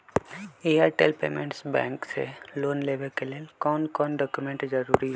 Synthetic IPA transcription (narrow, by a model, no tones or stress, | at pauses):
eːaːɾʈḛːlpḛːmḛ̃ɳʈsbɛːŋksḛloːnleːʋekelelkɔːnkɔːnɖɔːkjumẽɳʈd͡ʒəɾuːɾiɦɛ